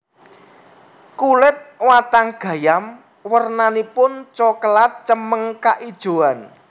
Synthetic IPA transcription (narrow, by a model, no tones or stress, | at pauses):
kulɪt̪̚wat̪aŋɡ̥ä̤jam | wərnanipʊnt͡ʃɔkəlat̪̚t͡ʃəməŋkaʔid̥ʒ̥o̤an